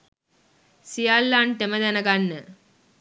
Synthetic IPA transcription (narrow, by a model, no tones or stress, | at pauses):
sijalːanʈ̪eməd̪ɛnəɡanːə